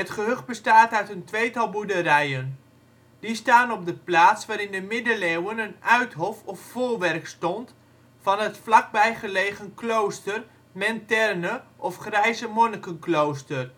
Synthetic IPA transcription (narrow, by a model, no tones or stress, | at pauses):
ɦətχəɦøχbəstaːtœɥtəntʋejtɑlˠbudərɛjən | d̥istaːnɔb̚dəplaːtsʋaːɾɪndəmɪdəlewənənʔœɥtɦɔfɔffoːlˠʋɛrkstɔnt | fɑnətflɑk̚bɛjχəlejχənklowstər | mɛntɛrnəʔɔfχrɛjzəmɔnəkənklowstər